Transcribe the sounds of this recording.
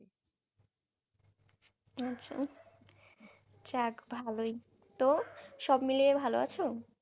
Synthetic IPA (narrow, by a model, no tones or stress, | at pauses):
atːɕʰa̰ | t͡ɕakbʱaloj | t̪oʃɔbmiliebʱaloa̰t͡ɕʰo